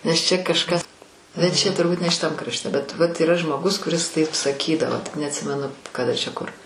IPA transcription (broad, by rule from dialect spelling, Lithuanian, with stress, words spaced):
nʲɛs ˈt͡ʃʲɛ kɐʃˈkɐs bʲɛt ˈt͡ʃʲɛ tʊrˈbuːt nʲɛ ʃʲɪˈtɐm krɐʃʲˈtʲɛ bʲɛt ˈʋɐt iːˈrɐ ʒmoːˈɡʊs kʊˈrʲɪs ˈtɐɪp sɐˈkʲiːdɐʋoː tʲɪk nʲɛɐtʲˈsʲɪmʲɛnʊ kɐˈdɐ t͡ʃʲɛ ˈkʊr